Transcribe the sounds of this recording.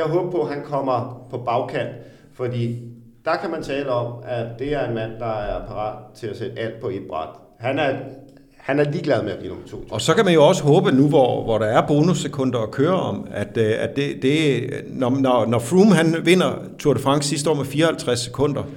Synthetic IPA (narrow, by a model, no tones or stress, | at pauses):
jɑ̈ɪɦɔːb̥̚pʰɔ̽ɦænkʰɒ̽m̰ɐpʰɒ̽b̥ɑ̈ʊkʰæn̰d̥ | fɒ̽d̥ḭː | d̥ɑ̈kʰæmænt͡sʰɛːləɒ̽mæd̥e̝æɐe̝nmæn̰d̥ɑ̈æɐpʰɑ̈ʁɑ̰̈ːd̥t͡sʰe̝læsed̥əæl̰d̥̚pʰɒ̽e̝d̥̚b̥ʁɑ̈d̥ | hænæɐ | hænæɐliːɡ̥lɛð̞ˠmeæb̥ḭːnomt͡sʰo̝̰ːɒ̽sɒ̽kæmænjo̝ɒ̽sə̥ɦɔ̽ːb̥ənuʋɒʋɒɾɑ̈æɐb̥o̝ːnusːekʰɔ̽n̰d̥ɐːkʰøːɐɒ̽mæd̥æd̥e̝d̥e̝nɒnɒnɒfʁumɦænʋe̝n̰ɐ | t͡sʰuɐɾ̥əfʁɑ̈ŋ̰̥ssis̬d̥əɒ̰ːmefiːɐɒhælt͡sʰʁasːe̥kʰɔ̽n̰d̥ɐ